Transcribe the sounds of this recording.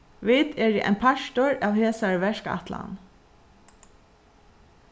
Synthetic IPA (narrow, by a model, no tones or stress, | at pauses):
ʋɪt̪ɛɹiʔɛ̰ɪnpʰaʃt̪ʊɹaːʋheːsaɹʋɛʃka̰t̪la̰n